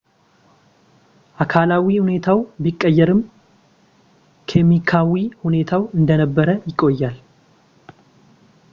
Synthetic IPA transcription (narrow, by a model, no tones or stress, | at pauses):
ʔakʰalawihune̞t̪ʰawbikʼːəjːɛɾɨm | kʰemikʰawihune̞t̪ʰawɨnd̪ənəbːəɾəjɪkʼːo̞jːal